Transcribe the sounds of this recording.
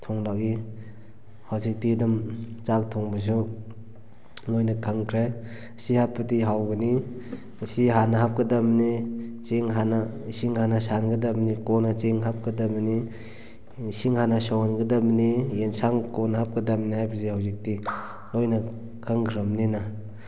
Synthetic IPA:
tʰɔŋlaki | hawzik̚tidamt͡ʃak̚tʰɔŋbas̬u | lojnakʰaŋkʰɾe | sihapːatiɦawɡɯni | siɦanaɦap̚kɐdamnit͡ʃeŋɦanasiŋhanasanɡɐdabnikonat͡ʃeŋɦap̚kədamni | siŋhanasɔwnɡɐdamnijensaŋkonɦap̚kɐdamniɦajbɐzihawzik̚ti | lojna | kʰaŋkɾamnina

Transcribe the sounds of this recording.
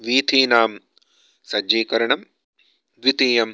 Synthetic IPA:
ʋiːt̪ʰiːnaːm | sɐeːkɐɾɐɳɐm | ʋit̪iːjɐm

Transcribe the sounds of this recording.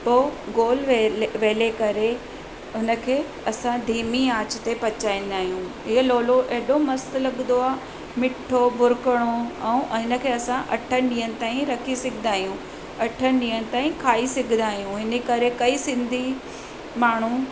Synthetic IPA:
poːɡoːlʋeʋeːlekɐɾe | ɦʊnə̆kʰeː | ɐsãd̪ʱiːmiaːt͡ɕt̪epɐt͡ɕaːĩn̆d̪aːɦijũɦɪɦəloːloʔeɦɗomɐst̪lɐɠnd̪oaː | mɪʈʰobʱʊɾkəɽ̃oɛ̃ũʔɦɪnə̆kʰeːɐsãʔɐʈʰənɪ̆ɗĩːənɪ̆t̪aːĩɾɐkʰisɪɡʱɪnd̪aːɦijũ | ɐʈʰənɗĩːəñɪ̆t̪aːĩkʰaːisɪɡʱɪnaːɦijũɦɪnikɐɾekɐisɪ̃nd̪ʱi | maːɳ̤ũ

